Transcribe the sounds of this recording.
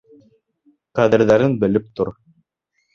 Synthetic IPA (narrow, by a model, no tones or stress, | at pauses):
qæðɘ̆ɾðæɾɘnbɘ̆lɘp̚t̪oɾ